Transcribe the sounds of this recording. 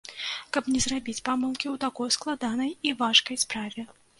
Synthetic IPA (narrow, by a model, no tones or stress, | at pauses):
kɐpnʲɛzrabʲit͡sʲpamɨwˠkʲiwt̪akɔjsklˠad̪anɐjivaʂkɐjspɾavʲɛ